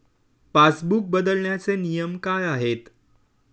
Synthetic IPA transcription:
fasbuk̚bəd̪əlɳjat͡senijəmkajaɦet̪

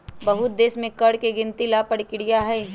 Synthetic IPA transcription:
bɐɦʊt̪̚d̪eːsmẽkɐɽkeɡɪ̃nt̪ilapɐɽkɪɽijaɦɛː

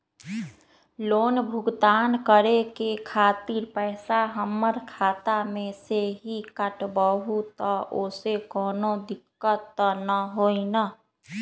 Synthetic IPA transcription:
loːnbʱʊɡt̪aːnkəɾekekʰaːt̪iɾpɛːsaɦəmːəɾkʰaːt̪amẽseɦikəʈbəɦut̪ɔʔoːsekɔːnod̪ɪkːət̪ːnəɦoːina

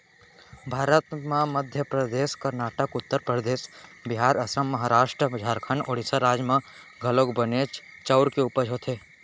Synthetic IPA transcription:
bʱaːɾət̪mẽməd̪ʱjəpɾəd̪eːskɐɾnaːʈəkʊt̪ːəɾpɾəd̪eːsbɪɦaːɾɐsəmːɐɦaːɾaːʃʈɾəbɪd͡ʒʱaːɾkʰənoːɽɪsəɾaːd͡ʒmã | ɡʱɐlokbɐneːt͡ʃ | t͡ʃɐʊɾkeuːpəɾɦoːt̪ʰeː

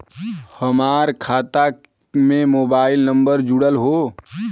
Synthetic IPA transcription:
həmaːɾkʰaːt̪a | mẽmoːbaːɪlnə̃mbəɾd͡ʒʊɽəlɦoː

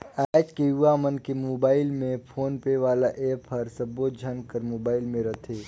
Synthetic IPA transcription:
ɛːd͡ʒkejuamənkemoːbaːɪlmẽpʰoːnpeʋaːlaʔeːpʰəɾsəboːd͡ʒʱənkəɾmoːbaːɪlmẽɾɐt̪ʰeː

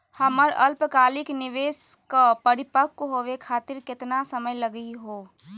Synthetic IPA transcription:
həməɾɐ̰lpkaːlɪknɪʋeːskapəɾɪpəkːoɦoʋekʰaːt̪ɪɾkɪt̪nasəməjləɡiɦoː

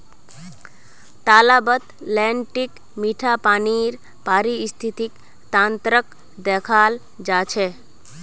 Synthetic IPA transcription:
t̪alabət̪lɛɳʈik | miʈʰapaniɾ | paːɾiːst̪ʰit̪ik | t̪ãnt̪ɾək | d̪ɛkʰal | d͡ʒat͡ʃʰɛ

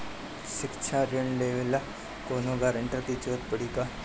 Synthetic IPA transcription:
ɕɪkt͡ʃʰaɾeɳleʋela | konoɡaɾəɳʈat̪it͡ɕot̪̚pəɽiːka

